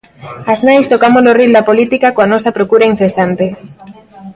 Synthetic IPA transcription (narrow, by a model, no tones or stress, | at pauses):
aznajst̪okamozlorild̪apolit̪ikakoanɔsapɾokuɾain̟θesant̪e